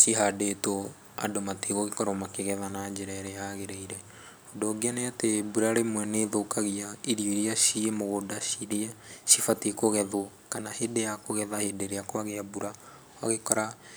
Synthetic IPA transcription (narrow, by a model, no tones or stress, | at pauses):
siɦadeto | a̰domateɣoɣekɔɾɔmakeɣɛðanad͡ʒeɾaɾejaɣeɾeiɾɛ | hodoːɡeaneatebuɾaɾemwɛneːðokaɣiaiɾioɾeaʃiemoɣodaʃiɾiaʃifatekoɣɛðo | kanahedejakoɣɛðahedeɾeakwaɣeabuɾa | aɣekɔɾa